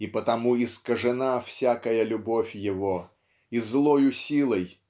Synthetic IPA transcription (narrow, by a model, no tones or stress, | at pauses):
ipət̪ɐmuɪskəʐɨnafsʲakəjəlʲʊbofʲjɪvo | izlˠojʊsʲilˠəj